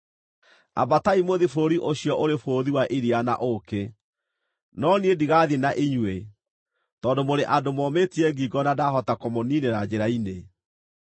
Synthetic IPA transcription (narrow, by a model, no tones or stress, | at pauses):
a̰bataimoðifoɾiʔoɕiɔʔoɾefoːðiwaʔiɾiana̰ʔoke | nɔniediɣaðinaʔiɲwe | tɔːdomoɾeʔadomɔmetiɛɡiːɡɔnadaɦɔtakomoniːneɾad͡ʑeɾaine